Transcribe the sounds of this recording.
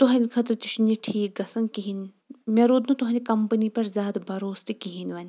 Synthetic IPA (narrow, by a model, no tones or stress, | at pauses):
t̪ʊɦãnʲikʰɐt̪ɾt̪uʃniʈʰiːk̚ɡɐsɐnkiɦin | meɾoːd̪nũt̪ʊɦãːnʲikɐmpənipɐɾzʲaːd̪bʱɐɾoːst̪ikiɦinʋɐnʲ